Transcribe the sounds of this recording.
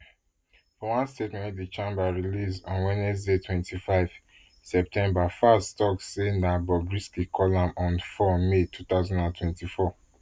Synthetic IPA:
fɔwãnstetmɛ̃nt̚dit͡ʃãmbaɹilisɔ̃nwɛnɛs̬detʰwɛ̃ntʰifaɪv̥ | sɛp̚tʰɛ̃mbafastɔksenabɔbɹiskikʰɔlãmɔ̃nfɔmetʰut̪aʊzɔ̃ndãntʰwɛ̃ntifɔ

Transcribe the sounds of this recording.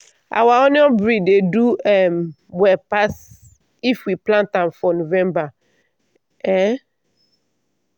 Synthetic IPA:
a̰waɔnjɔ̃bɹideduɛm | wɛpas | ifwiplãntãmfɔnovɛ̃mba | ɛ

